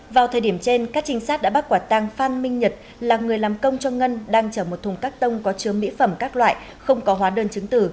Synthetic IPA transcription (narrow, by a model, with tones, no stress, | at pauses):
vaː˨˩wt̪ʰəː˨˩jɗi˧˩əmt͡ɕe˧nkaː˦˥k̚t͡ɕï˨˦ŋ̟saː˦˥t̚ɗa̰ː˧˥ɓa˦˥t̚kwaː˧˩t̪a˧ŋfaː˧nmï˧ŋ̟ɲə˨˩t̚ | laː˨˩ŋɨ˨˩əjlaː˨˩mkə˧wŋ͡mt͡ɕɔ˧ŋə˧nɗaː˧ŋt͡ɕəː˧˩mo˨˩t̚t̪ʰʊ˨˩ŋ͡mkaː˦˥k̚t̪ə˧wŋ͡mkɔ˨˦t͡ɕɨ˨˦əmḭ˧˥fə˧˩mkaː˦˥k̚lwa̰ː˧˨j | xə˧wŋ͡mkɔ˨˦ɦwaː˨˦ɗəː˧nt͡ɕɨ˨˦ŋt̪ɨ̰˧˩